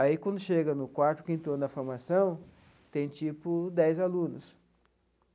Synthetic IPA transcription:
aikwɐ̃nd̪ʊʃeɡɐnʊkwaɾt̪ʊ̥kĩnt̪oɾnɐfoɾmasɐ̃w̃ | t̪ẽj̃t͡ʃipʊd̪ɛjzalũnʊs

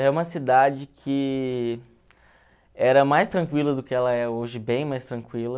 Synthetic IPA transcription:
ɛũmɐsid̪ad͡ʒɪkʰɪ | ɛɾɐmajst̪ɾɐ̃ŋkwilɐd̪ʊkɪɛlɐɛoʒɪbẽj̃majst̪ɾɐ̃ŋkwilɐ

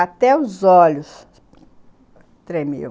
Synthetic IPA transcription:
at̪ɛʊzɔʎʊs | t̪ɾemḭ

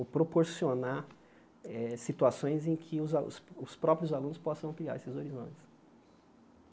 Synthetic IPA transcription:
pɾopoɾsiona | ɛsit̪uasõj̃zẽkʰɪʊza̰sʊspɾɔpɾjʊzalũnʊspɔsɐ̃w̃ɐ̃mplia̰ɾesɪzoɾizõnt͡ʃɪ̥s

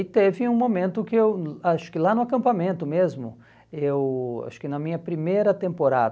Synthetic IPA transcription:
t̪evɪũmõmẽnt̪ʊkɪewaʃʊ̥kɪlanʊakɐ̃mpamẽnt̪ʊmezmʊ̰ | ewa̰ʃʊ̥kɪnɐmĩɲɐpɾimejɾɐt̪ẽmpoɾa̰d

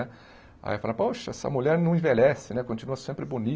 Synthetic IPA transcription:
ɛ | a̰jifa̰lapoʃɐɛsɐ̰muʎɛɾnɐ̃w̃ĩveʎɛsɪnɛkõt͡ʃinuɐsẽmpɾɪboni

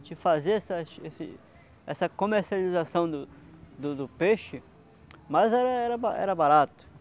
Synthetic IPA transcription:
t͡ʃɪfaziɐɛsɐʃesɪ̰ | ɛsɐkõmeɾsializasɐ̃w̃d̪ʊd̪ʊd̪ʊpeʃɪ | mɐzɛɾɐɛɾɐbaʔɛ̰ɾɐbaɾat̪ʊ̥

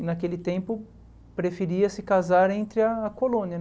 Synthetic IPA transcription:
nakelɪt̪ẽmpʊ | pɾefeɾiɐsɪkazaɾẽnt̪ɾɪɐːkolõniɐ

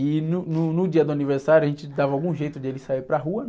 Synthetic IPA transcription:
ɪnʊnʊnʊd͡ʒiɐd̪ʊaniveɾsaɾjʊɐʒẽnt͡ʃɪd̪avɐawɡũʒejt̪ʊd͡ʒ̪elɪsaiɾpɾɐɦuɐ

